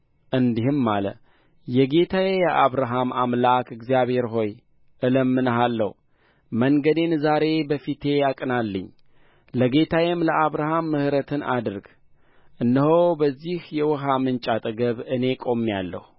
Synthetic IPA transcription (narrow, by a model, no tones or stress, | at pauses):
ʔɨnd̪ihɨmːalə̰ | jɛɡe̞t̪ʰajejɛʔaβɾaɦamamlakɨɡzijaβhe̞ɾɦo̞j | ʔɨləmːɨnəɦalːə̰h | məŋɡəd̪e̞nzaɾe̞bəfit̪ʰe̞jakʼɨnalːɨɲː | ləɡe̞t̪ʰajɛmləʔaβɾaɦamːɨhɾət̪ʰɨnʔa̰d̪ɨɾɡ | ʔɨnːəhobəzːihjɛwɔɦamɨnt͡ʃʼat̪ʼɨɡəβɨne̞kʼo̞mːjalːə̰hu